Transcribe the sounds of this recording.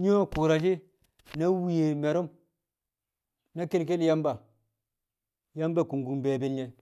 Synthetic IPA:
ɲ˦o˦ku˨ɾa˨d͡ʒi˦ | na˦wi˨je˨me˨ɾu˦m | na˦ke˦lk̬e˦lja˦mba˨ | ja˦mba˦˨ku˨ŋɡu˨be˨be˦lɲe˦

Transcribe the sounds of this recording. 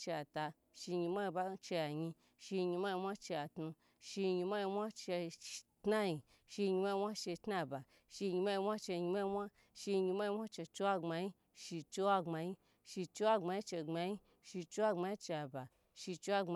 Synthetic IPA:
t͡ʃe˧a˨ta˧ | ʃi˧ɲi˧mʷa˦ji˧ba˦t͡ʃe˧ja˨ɲi˧ | ʃi˧ɲi˧mʷa˦ji˧mʷ˦a˦t͡ʃe˧a˨tnu˧ | ʃi˧ɲi˧ma˦ji˧mʷ˦a˦t͡ʃe˧tna˦ji˧ | ʃi˧ɲi˧ma˦i˧wʷa˦t͡ʃe˧tna˦˨ba˨ | ʃi˧ɲi˧ma˦ji˧wʷa˦t͡ʃe˧ɲi˧mʷa˦i˧mʷa˦ | ʃi˧ɲi˧ma˦ji˧wʷa˦t͡ʃe˧t͡ʃe˦wa˦ŋ͡ma˧ji˦ | ʃi˧t͡ʃe˦wa˦ŋ͡ma˧ji˦ | ʃi˧t͡ʃe˦wa˦ŋ͡ma˧ji˦t͡ʃe˧˨ŋ͡ma˧ji˦ | ʃi˧t͡ʃe˦wa˦ŋ͡ma˧ji˦t͡ʃe˧ja˧˨ba˨ | ʃi˧t͡ʃe˧˦wa˦a˧

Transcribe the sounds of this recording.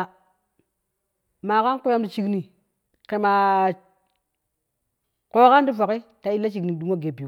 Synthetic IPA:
ma˨ka˦n˦ko˦ja˦mdi˨t͡ʃi˦kni˨ | ke˨ma˨ | ko˦ka˦ndi˦fa˨ki˦ta˨i˦lːa˦t͡ʃi˨kni˨du˦ŋo˦ɡe˨bi˨˦

